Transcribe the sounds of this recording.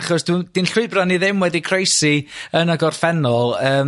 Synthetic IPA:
χɔsd̥ɪnd̥inɬʊɨbraniðɪmwɛdikʰrejsiənaɡɔrfɛnɔlˠəːm

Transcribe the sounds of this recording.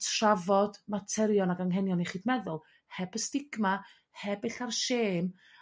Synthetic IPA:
tʰravɔd̥matʰɛɾjɔnaɡaŋɦɛnjɔniχiːdmɛðʊlˠ | hɛbəstɪɡma | hɛbɪɬarʃeːm

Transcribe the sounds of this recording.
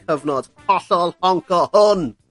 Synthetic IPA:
əvnɔd̥ | ɔɬɔlˠhɔŋkʰɔhʊn

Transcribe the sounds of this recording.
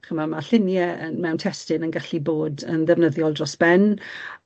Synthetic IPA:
χəmamaɬɪnjɛənmɛwntʰɛstɪnənɡaɬiboːdənðɛvnəðjɔlˠdrɔsb̥ɛn

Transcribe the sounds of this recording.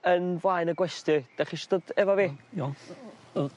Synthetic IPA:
ənvlajnəɡwɛstɨd̥ɛχiʃd̥odɛvɔviː

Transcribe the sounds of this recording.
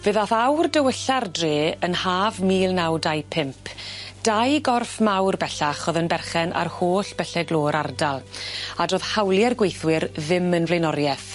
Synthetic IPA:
vɨðaθawrdəwəɬardreːənhaːvmiːlˠnawdajpʰɪmpʰd̥ajɡɔrfmawrbɛɬaχɔðənbɛrχɛnʔa̰rhoːɬb̥ɛɬɛɡlˠoːɾardalˠadroːð̥hawlˠjɛrɡwejθwɪɾðɪmənvlejnɔɾjɛθ

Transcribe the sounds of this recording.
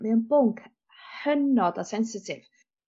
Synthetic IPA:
miənbʊŋkʰ | hənɔdasɛnsɪtʰɪv̥

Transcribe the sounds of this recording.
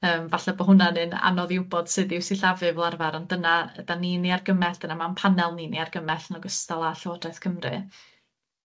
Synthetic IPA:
əːmvaɬabɔɦʊnanɨna̰nɔðɪwbɔd̥sɨðɪwsiɬavɨvlˠarvaɾɔndənaədaniniarɡəmɛɬd̥ənamanpʰanɛlˠniniarɡəmɛɬnɔɡəstalˠaɬoːdaɨθkʰəmrɨ̰

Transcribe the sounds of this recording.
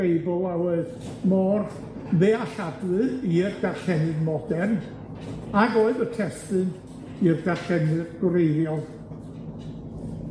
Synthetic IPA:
ejbɔlˠawɔɨð | mɔr | ðeaɬadlɨirɡarɬɛnɨdmɔdɛn | aɡoːɨðətʰɛstɨn | irɡarɬɛnɨdɡ̥ɾejðjɔlˠ

